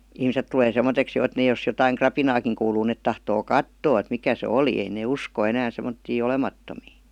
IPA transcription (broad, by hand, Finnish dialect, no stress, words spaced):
ihmiset tuleː semːoteks jo et ne jos jotɑiŋ krɑpinɑːkiŋ kuːluː net tɑhtoː kɑtːoː et mikæ se oliˑ ei neˑ usko enæː semːotːiː olemɑtːomiː